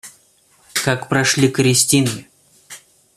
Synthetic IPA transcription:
kakpɾɐʂlʲikɾʲɪsʲtʲinɪ

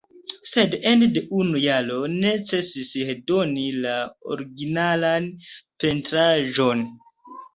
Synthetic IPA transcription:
se̞dendeʔunujalo̞ne̞t͡se̞sisdo̞nilao̰ɾiɡinalanpe̞ntɾaʒo̞n

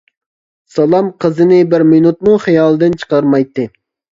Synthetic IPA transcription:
sɑlˠɑmqʰəzɨnɪbɪɾmɪnut̪̚muχijɑːlˠɨd̪ɨnt͡ʃʰə̥qɑɾmɑjt̪ːɨ

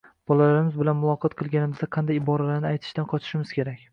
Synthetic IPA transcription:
b̥ɒlalaɾɪmɪzbɪlanmʊlˠɒqʰɒt̪qʰɨlˠɡʲanɪmɪzd̪aqʰɑnd̪ajɪbɒɾalaɾnɪajt̪ʰɪ̥ʃt̪anqʰɒt͡ʃ̪ʰɪ̥ʃɪmɪz̥kʲʰe̞ɾakʲ

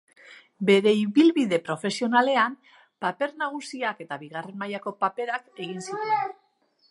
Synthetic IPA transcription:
be̞ɾe̞iβilβiðe̞pɾo̞fe̞sio̞nale̞am | pape̞ɾnaɣ̞usiake̞t̪aβiɣ̞are̞nmajako̞pape̞ɾake̞ɣ̞insiɾe

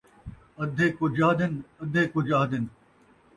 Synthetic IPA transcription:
ɐd̪ʱeːkod͡ʒaːd̪ɪnɐd̪ʱeːkod͡ʒaːd̪ɪn

